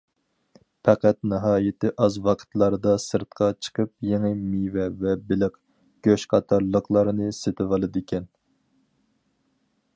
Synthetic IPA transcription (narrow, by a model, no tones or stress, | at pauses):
pʰæqæt̪nɨɦɑːjɪt̪ɪʔɑzwɑqʰə̥t̪lˠɑɾɨd̪ɑsɨɾt̪̚qʰɑt͡ʃʰə̥qʰəp̚jeŋɨmivɛvɛbɪlɪq | ɡ̥ʲøʃqʰɑt̪ʰɑɾlˠːəqlˠɑɾɨnɨset̪ʰɪvɑlˠɨd̪ɪkʲʰɛn